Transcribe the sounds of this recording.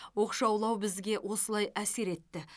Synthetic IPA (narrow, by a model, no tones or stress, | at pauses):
wo̞qʃɑwlˠɑwbɪzɡʲe̞wʔo̞səlˠɑjʔæse̞ɾe̞t̪ːɪ